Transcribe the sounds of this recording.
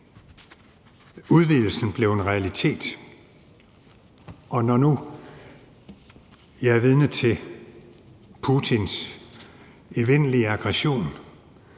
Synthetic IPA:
uð̞ˠʋiðˠl̩sn̩b̥le̝ʊenʁɛælit͡sʰe̝̰ːd̥ | ɒ̽nɒnu | jɑæɐʋið̞ˠnət͡sʰe̝ | pʰut͡sʰins | eʋen̰liəɑ̈ɡ̥ʁɛɕo̝̰ːn

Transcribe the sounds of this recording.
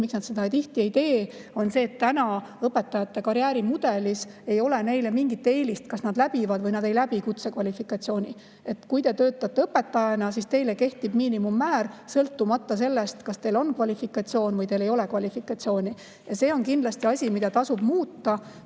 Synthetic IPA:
miksnɑd̪sed̪ɑejt̪iht̪ieijt̪e̞ːo̞nse̞ːt̪ːænɑɤpːe̞t̪ːˑɑjɑt̪ːe̞kɑɾjæːɾimud̪̥e̞lise̞jo̞lene̞jle̞miŋɡit̪ːe̞ːlist̪kɑsnɑd̪læb̥ivɑd̪vɤjnɑd̪e̞jlæb̥ikut̪sekvɑlʲifikˑɑt̪sio̞ːnʲi | e̞t̪ːˑkujt̪e̞t̪øːt̪ːˑɑt̪ːe̞ɤpːe̞t̪ːɑjɑnɑsist̪e̞jleke̞ht̪ib̥miːnimumːæːrsɤlt̪ːumɑt̪ːɑse̞lːest̪kɑst̪e̞ːlo̞nkvɑlʲifikːˑɑt̪sio̞ːnvɤjt̪e̞le̞jo̞lekvɑlʲifikˑɑt̪sio̞ːnʲi | jɑse̞ːo̞nkind̪lɑst̪iɑsʲimid̪ɑt̪ɑsub̥muːt̪ːɑ

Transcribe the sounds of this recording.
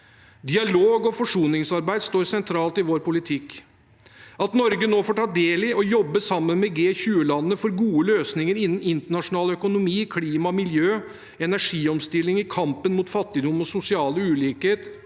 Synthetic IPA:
d̪ɪɑloːɡɔfɔʂuːnɪŋsɑɾbæɪd̪st̪oːɾsɛnt̪ʰɾɑːlt̪ɪʋoːɾpʰʊlɪt̪ʰɪkː | ɑt̪nɔɾɡənoːfoːʈʰɑːd̪eːlɪʔɔjɔbːəsɑmːənmɛɡeːçʉːəlɑnəːəfɔɾɡuːəløːsnɪŋəɾɪnːn̩ɪnt̪əɳɑʂʊnɑːləœkʊnʊmiːkʰliːmɑmɪljøː | ɛnæʂiːɔmst̪ɪlːɪŋɪkʰɑmpənmuːt̪fɑt̪ːɪd̪ʊmːɔsʊsɪɑːləʉːliːkəheːt̪

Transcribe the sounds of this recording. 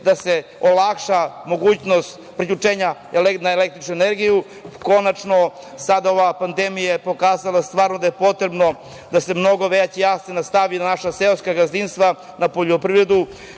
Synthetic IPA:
d̪aseolakʃamo̞ɡuːt͡ɕnost̪ | pɾiʎut͡ʂeːɲa | elnaelek̚t̪ɾit͡ʃnueneɾɡiju | ko̞nat͡ʃno̞ | sad̪ao̞ʋapand̪emijapo̞kaːzalast̪ʋaːɾnod̪aje̞po̞t̪ɾebno̞ | d̪ase̞mno̞ɡo̞ʋet͡ɕejasenast̪aʋinanaʃaseoskaɡazinst̪vʋa | napo̞ʎopɾivɾed̪u

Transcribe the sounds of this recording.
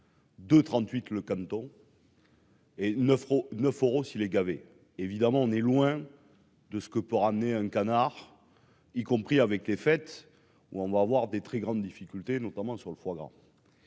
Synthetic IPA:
d̪ət̪χɑ̃t̪ɥit̪ləkãnt̪ɔ̃ | enəfonœføʁosilɛɡave | evid̪amɑ̃ɔ̃nɛlwɛ̃ | d̪əsə̥kəpøʁamneɛ̃kanaʁ | ikɔ̃pχiavɛklefɛt̪ | uɔ̃vaːvwaʁd̪et̪χɛɡʁɑ̃d̪d̪ifikʲylt̪enɔt̪amɑ̃syʁləfwaɡʁɑ̰̃

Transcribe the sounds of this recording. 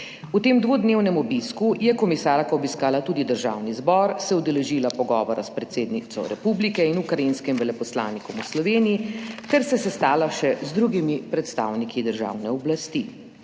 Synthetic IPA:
ut̪eːmd̪ʋod̪neːwnɛmɔbiskujɛkɔmisaːɾkaɔbiskaːlat̪uːd̪id̪əɾʒa̰ːwnizbɔɾsɛud̪ɛlɛʒiːlapɔɡɔːʋɔɾaspɾɛt̪seːd̪nit̪sɔ̰ɾɛpublikɛinukɾajinskimʋɛlɛpɔslaːnikɔmuslɔʋeːnijit̪ɛɾsɛsɛst̪aːlaʃɛzd̪ɾuɡimipɾɛt̪st̪a̰ːwnikʰid̪əɾʒa̰wnɛɔblast̪i

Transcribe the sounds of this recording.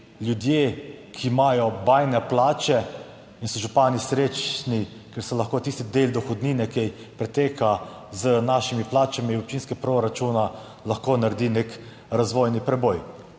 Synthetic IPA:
lʲjud̪jeːkʰimajɔbajnɛplaːt͡ʃɛ | insɔʒupaːnisɾet͡ʃni | kɛɾsɔlaxkoːt̪ist̪id̪eːld̪ɔxɔd̪niːnɛkɛj | pɾɛt̪eːka | zənaːʃimiplaːt͡ʃamiɔp̚t͡ʃiːnskɛpɾoɾat͡ʃuna | laxkoːnaɾd̪inek | ɾazʋojnipɾɛboj

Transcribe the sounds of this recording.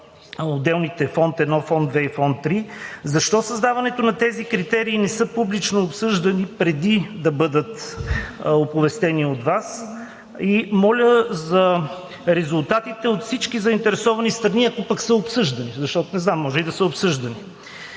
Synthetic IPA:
od̪ɛlˠnit̪ɛfɔnt̪ɛd̪nɔfɔnd̪vɛifɔnt̪ːɾizɐʃt̪ɔsɐzd̪avɐnɛt̪onɐt̪ɛzikɾit̪ɛɾiːnɛsɤpublit͡ʃnoːpsɤʒd̪ɐnipɾɛd̪id̪ɐbɤd̪ət̪ | opʊvɛst̪ɛniot̪vas | imɔlʲəzɐ | ɾɛzulˠt̪at̪it̪ɛot̪fsit͡ʃkizɐint̪ɛɾɛsɔvɐnist̪ɾɐniɐkopɐksɤopsɤʒd̪ɐnizɐʃt̪ɔt̪onɛznamːɔʒɛid̪ɐsəopsɤʒd̪ɐni

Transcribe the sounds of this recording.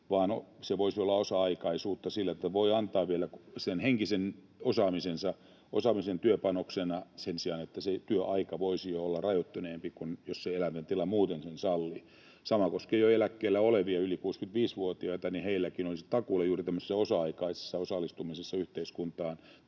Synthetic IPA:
ʋɑːno̰seʋoisiolːɑosɑɑikɑisuːt̪ːɑsilːæet̪ːæʋoiɑnt̪ɑːʋʋielæksenheŋkisen | osɑːmisensɑ | o̰sɑmisent̪yøpɑnoksenɑsensiɑnet̪ːæset̪yøʔɑikɑʋoisijoolːɑrɑjot̪ːyneːmpikunjosseelæmtent̪ilɑmuːt̪ensensɑlːi | sɑmɑkoskejoelækːeːlːæoleʋiɑylikuːskynt̪ʋiːsʋuot̪iɑit̪ɑniheilːækinolisi̥t̪ɑkulːeɑjuːrit̪æmːøselːæosɑɑikɑise̥sːɑosɑlːist̪umisesːɑyht̪eiskunt̪ɑːn

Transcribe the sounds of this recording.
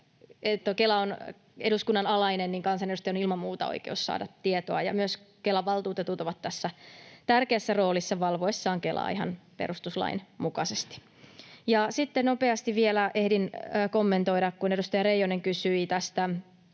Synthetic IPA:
et̪ːokelæon | eɾuskunːɑnɑlɑinenniŋkɑnsɑneust̪ɑjonilmɑmmuːt̪ɑ̰o̰ikḛussɑ̰ːdɑt̪tiet̪oɑjɑ̰myøskelːæʋɑlt̪uːt̪et̪ut̪oʋɑt̪tːæsːæt̪ærkeæsːæro̞ːlisːɑʋɑlʋoesːɑːŋkelʔɑ̰ːḭɦɑ̰npḛɾust̪uslɑ̰inmukɑsest̪i̥ | jɑsit̪ːenopeɑst̪iʋʋielæʔehdinːkomːent̪oiɾɑkkune̞dust̪ɑjɑrejoneŋkysyit̪æst̪æ

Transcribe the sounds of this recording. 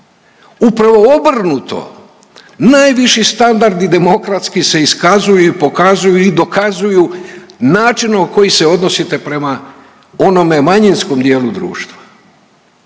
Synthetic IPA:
upɾaʋo̞obr̩nut̪o̰ | najʋiʃist̪and̪aɾd̪id̪e̞mo̞kɾat̪skise̞iskazujuipo̞kazujuid̪o̞kazujunaːt͡ʃinoko̞jise̞o̞d̪no̞sit̪e̞pɾe̞ma | o̞no̞me̞maɲinsko̞md̪je̞ːlud̪ɾṵːʃt̪ʋa

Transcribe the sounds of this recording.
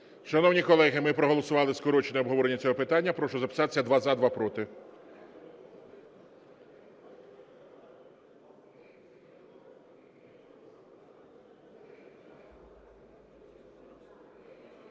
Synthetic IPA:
ʃɐnɔwnʲikɔlˠɛɦɪmɪpɾɔɦɔlˠɔsʊʋɑlˠɪskɔɾɔt͡ʃenɛɔbɦɔʋɔɾenʲːɐt͡sʲɔɦɔpɪt̪ɑnʲːɐpɾɔʃɔzɐpɪ̥sɑt̪e̥sʲɐd̪ʋɑzɑd̪ʋɑpɾɔt̪ɪ

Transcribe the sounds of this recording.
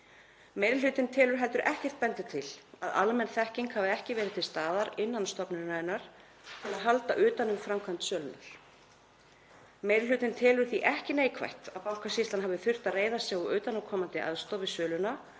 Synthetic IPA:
meːjɾɪl̥ʏːt̪ɪnt̪ʰɛːlʏɾ̥ɦɛlt̪ʏɾʔɛhcɛr̥t̪̚pɛnt̪ɪt̪ʰɪlaða̰lmɛnθɛhciŋkhavɪɛhcɪvɛːɾɪt̪ʰɪlst̪aːðaɾɪnːanst̪ɔpnʏnaɪnːaɾ̥ | t̪ʰɪlaðɦal̪t̪aʔʏːt̪anʏmfɾamkʰant̪sœːlʏna̰ɾ̥ | mejɾɪlʏːt̪ɪnt̪ʰɛːlʏɾ̥θiʔɛhcɪneːjkʰva̰jht̪apawŋ̥kʰasist̪anhavðɪθʏr̥t̪aðreːjðasjɛɣɔʔʏːt̪anamkʰɔːmant̪ɪʔa̰ðst̪ɔwvɪsœːlʏna

